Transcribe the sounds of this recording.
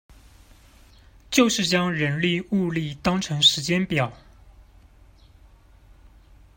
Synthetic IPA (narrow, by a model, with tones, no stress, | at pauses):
t͡ɕjo˥˧ʊʂɻ̩˥˩t͡ɕjɑ˥ŋɻə˧˥nli˥˧u˥˧li˥˩t̪ɑ˥ŋʈ͡ʂʰɤ˧˥ŋʂɻ̩˧˥t͡ɕjɛ˥npjɑ˨˩˦ʊ